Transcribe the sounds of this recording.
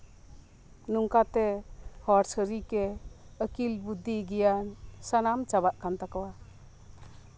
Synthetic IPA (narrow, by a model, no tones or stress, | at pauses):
nuŋkat̪ehɔɾsəɾikeəkilbud̪ʱːiɡijansanamt͡ʃabaʔkʰant̪akawa